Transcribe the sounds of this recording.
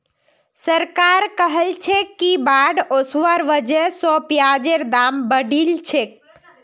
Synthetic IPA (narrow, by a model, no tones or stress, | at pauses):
səɾkaɾkəɦəlt͡ʃʰekibaɖosʋəɾʋəd͡ʒesɔpjad͡ʒeɾd̪ambəɖʱilt͡ʃʰek̚